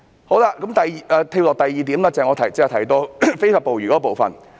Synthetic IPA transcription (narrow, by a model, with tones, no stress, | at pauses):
ho˨˥wla˧kɐ˨˥mt̪ɐ˨jʔɛː˨˧t̪ʰe˧wlɔː˨k̚t̪ɐ˨jːiː˨˩t̪i˨˥mlaː˥t͡sɐ˨˩ŋɔː˨˧t̪ʰɐ˨˩jt͡sɛ˧˥˨t̪ʰjt̪o˧fe˥jfaː˨˧po˨wɥyː˨˩kɔ˨˥ɔ˧po˨˩wfɐ̰˨˩n